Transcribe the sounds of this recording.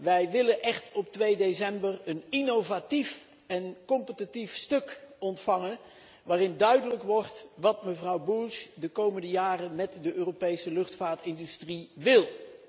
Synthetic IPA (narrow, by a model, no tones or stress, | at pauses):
ʋɛjʋɪlənʔɛχtɔp̚tʋejdesɛmbərəninowvatif | ɛnkɔmpətitifstɵkɔntfɑŋən | ʋaːrɪndœɥdələkʋɔɹtʋɑtməvrɑwbuʃdəkowməndəjaːrəmɛtdəʔøːropejsəlɵχtfaːtɪndystriʋɪlˠ